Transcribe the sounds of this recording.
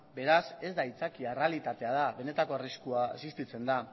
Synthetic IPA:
be̞ɾase̞zd̪ait͡sakiarealit̪at̪e̞að̞aβe̞ne̞t̪ako̞ariskuaesist̪it͡se̞nd̪a

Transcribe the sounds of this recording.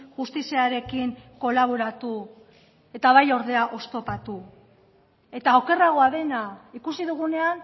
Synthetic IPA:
ʝust̪isiaɾe̞kiŋko̞laβ̞oɾat̪u | e̞t̪aβ̞ajo̞ɾð̞e̞aʔo̞st̪o̞pat̪u | e̞t̪aoke̞raɣo̞aðe̞naikusiðuɣ̞une̞an

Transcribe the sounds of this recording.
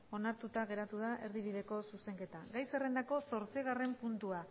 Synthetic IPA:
o̞naɾt̪ut̪aɣ̞e̞ɾat̪uð̞aʔe̞ɾðiβ̞iðe̞ko̞suse̞ŋke̞t̪aɡajsere̞nd̪ako̞so̞ɾt͡siɣ̞are̞mpunt̪ua

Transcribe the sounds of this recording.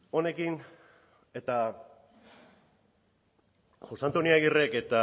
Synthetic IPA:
o̞ne̞kin | e̞t̪a | ʝo̞sant̪oniaɣire̞ke̞t̪a

